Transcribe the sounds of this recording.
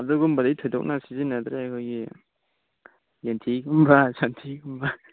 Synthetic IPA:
adɯɡumbadaitʰojdɔk̚nasizinːad̪ɾeakʰojɡi | jentʰiɡumbasantʰiɡumba

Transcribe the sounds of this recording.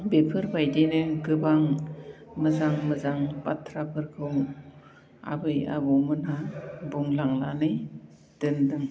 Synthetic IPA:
bepʰɯɾbajdinɯɡɯbaŋ | mɯzaŋmɯzaŋbatʰɾapʰɯɾkʰɯw | a̰bɯja̰bɔmɯnabuŋlaŋlanɯj | d̥ɯndɯŋ

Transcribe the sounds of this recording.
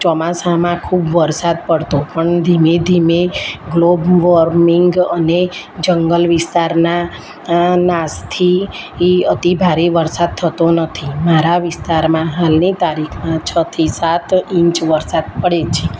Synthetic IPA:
t͡ʃɔmasamãkʰubʋəɾsad̪̚pəɽt̪opəɳd̪ʱimed̪ʱimeɡlobʋəɾmiŋɡəned͡ʒəŋɡəlʋɪst̪aɾna | nast̪ʰi | ət̪ibʱaɾeʋəɾsad̪̚t̪ʰət̪onət̪ʰimaɾaʋɪst̪aɾmãɦalnit̪aɾikʰmãt͡ʃʰət̪ʰisat̪ĩɲt͡ʃʋəɾsad̪̚pəɽet͡ʃʰe

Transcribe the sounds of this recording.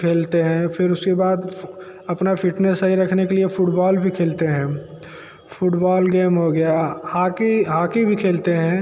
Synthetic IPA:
kʰeːlt̪eɦɛ̃pʰɪɾʊskebaːd̪ | ɐpnapʰɪʈnesəɦiɾɐkʰnekeliefʰʊʈbɔːlbʱikʰeːlt̪eɦɛ̃ː | fʰʊʈbɔːlɡeːmɦoɡɐjahaːkiɦaːkibʱikʰeːlt̪eɦɛ̃

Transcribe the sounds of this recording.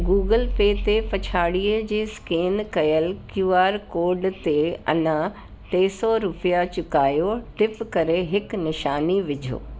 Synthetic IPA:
ɡuːɡəlpeːt̪epɐt͡ɕʰaːɽiːəd͡ʑeːskeːnkɐjəlkjuːaːɾkoːɾɖt̪eɐ̰nã | ʈeːsɔɾʊpijat͡ɕʊkaːjoʈɪpkɐɾeɦɪknɪʃaːniʋɪd͡ʑʱo̰ː

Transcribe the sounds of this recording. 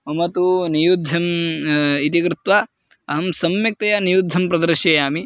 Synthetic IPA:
mɐmɐt̪unijud̪ʱːɐm | it̪ikɾɪt̪ʋa | ɐɦɐmsɐmjik̚t̪ɐjanijud̪ʱːɐmpɾɐd̪ɐɾʃeːjaːmi

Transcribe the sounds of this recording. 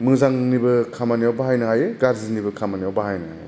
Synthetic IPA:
mɯzaŋnibɐkʰamanijawbaɦajnɐɦajeɡaɾzinibɐkʰamanijawbaɦajnaa̰je

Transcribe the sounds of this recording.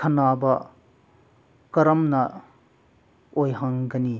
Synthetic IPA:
kʰɐnabɐ | kɐɾɐmnɐ | ojɦɐŋɡɐni

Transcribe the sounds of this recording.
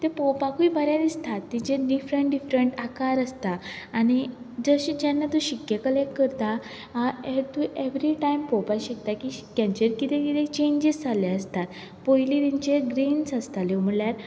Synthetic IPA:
t̪epɔpakuibəɾjad̪ist̪ʰat̪ːit͡ɕeɖifɾəɳʈɖifɾəɳʈakaɾəst̪aːñi | d͡zəɕid͡ʑjanːat̪uɕikjəkəleʈkəɾt̪a | et̪uʔeʋɾiʈajmpɔpaɕek̚t̪akikaɲt͡ɕeɾkit̪ʰekit̪ʰet͡ɕeɲd͡ʑizd͡zaleəst̪at̪ | pojlit̪iɲt͡ɕeɡɾinsəst̪alewm̤əɭljaɾ

